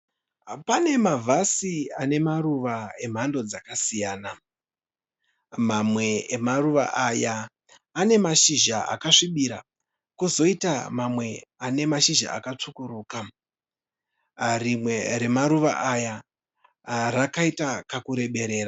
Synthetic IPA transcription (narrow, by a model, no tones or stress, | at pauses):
pane̞mavʱasiane̞maɾuʋae̞m̤ando̞d͡zakasijaːna | mamwe̞ːmaruʋa̰ʔajaː | ne̞maʃiʒaa̰kaʂiɓiɾa | kuzo̞itamamwe̞ane̞maʃiʒa̰ʔa̰katʰukuɾuːka | rimwe̞ɾe̞maɾuʋa̰ʔaja | rakaitakakuɾe̞ɓe̞ɾe̞ːra